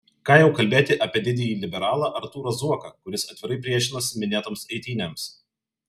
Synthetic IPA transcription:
kɑːjɛʊkɐlʲbʲeːt̪ʲɪʔɐpʲiɛd̪ʲɪd̪ʲɪjiːlʲɪbʲɛɾɑːlˠɑːʔɐɾt̪uːɾɐzuɔkɑ̰kʊɾʲɪsɐt̪ʲʋʲɪɾɐɪpʲɾʲiɛʃʲɪnosʲɪmʲɪnʲeːɛt̪oːmsɛɪt̪ʲiːnʲɛms

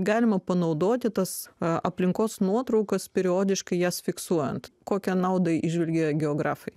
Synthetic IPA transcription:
ɡɑːlʲɪmɐpɐnɐʊd̪oːt̪ʲɪt̪ɐsɐ̰pʲlʲɪŋkoːsnuɔt̪ɾɐʊkɐspʲɛɾʲɪoːd̪ʲɪʃkɐɪjæːsfʲɪksuɔjɛ̰nt̪koːkʲɛnɑʊd̪ɐʔɪʒʲʋʲɛlʲɡʲɛɡʲɛoːɡɾɑːfɐɪ

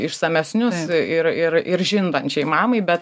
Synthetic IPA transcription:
ɪʃsɐmʲɛsʲnʲʊsɪɾɪɾʔɪɾʒʲɪnd̪ɐnʲt͡ʃʲɛɪmɑːmɐɪbʲɛt̪

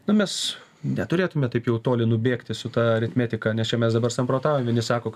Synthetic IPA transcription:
nʊmʲɛs | nʲɛt̪ʊɾʲeːt̪ʊmʲɛt̪ɐɪpjɛʊt̪oːlʲɪnʊbʲeːkt̪ʲɪsʊt̪ɑːɐɾʲɪt̪ʲmʲæːt̪ʲɪkɐnʲɛst͡ʃʲɛmʲɛsd̪ɐbɐrsɐmpɾoːt̪ɑːʋomʲʋʲɪnʲɪsɑːkoː

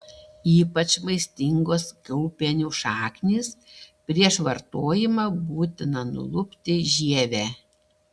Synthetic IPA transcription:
iːpɐt͡ʃmɐɪsʲt̪ʲɪŋɡoːskʲʊlˠpʲɛnʲuːʃɑːknʲiːspʲɾʲiɛʃʋɐɾt̪oːjɪmɑːbuːt̪ʲɪnɐnʊ̰lˠʊpʲt̪ʲɪʒʲiɛʋʲæː

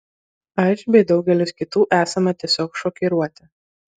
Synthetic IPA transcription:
ɐʃʲbʲɛɪd̪ɒʊɡʲɛlʲʊskʲɪt̪uːʔæːsɐmɐt̪ʲiɛsʲoːkʃɔːkʲiɾuɔt̪ʲɪ

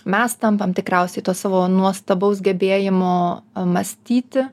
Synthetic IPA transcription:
mʲɛst̪ɐmpɐmt̪ʲɪkɾɛˑʊsʲɛɪt̪uːsɑːʋoːnuɔst̪ɐbɐʊs̬ɡʲɛbʲeːjɪmoːmɐsʲt̪ʲiːt̪ʲɪ

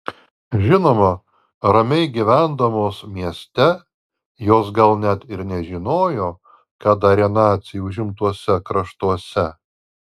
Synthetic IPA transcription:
ʒʲɪnoːmɐ | ɾɐmʲɛɪɡʲiʋʲæˑnd̪ɐmoːsmʲiɛsʲt̪ʲɛ | joːsɡɐlˠnʲɛt̪ɪɾnʲɛʒʲɪnoːjoː | kɐt̪ɐɾʲɛnɑːt̪sʲɪjuʊʒʲɪmt̪uɔsʲɛkɾɐʃt̪uɔsʲɛ

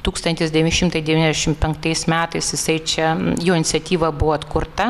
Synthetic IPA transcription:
t̪uːkst̪ɐnt̪ʲɪsd̪ʲɛʋʲɪnʲɪʃʲɪmt̪ɐɪd̪ʲɛʋʲiːnɛzd̪ʲɛʃʲɪmpʲɛŋkt̪ɐɪsmʲæːt̪ɐɪsjɪsɐɪt͡ʃʲɛjoːɪnʲɪt̪sʲɛt̪ʲiːʋɐbʊʋoɐt̪kʊrt̪ɐ

